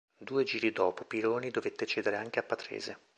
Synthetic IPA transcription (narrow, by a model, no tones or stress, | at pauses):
d̪uːed͡ʒiːɾid̪ɔːpopiɾoːnid̪ovet̪ːet͡ʃɛːd̪eɾeaŋk̟eapːat̪ɾḛːze